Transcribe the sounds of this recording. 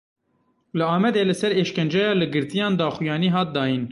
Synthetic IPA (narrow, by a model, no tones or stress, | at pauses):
lɨɑːmɛd̪eːlɨsɛɾeːʃkɛnd͡ʒɑːjɑːlɨɡɨɾt̪ijɑːnd̪ɑːxujɑːniːɦɑːt̪̚d̪ɑːjin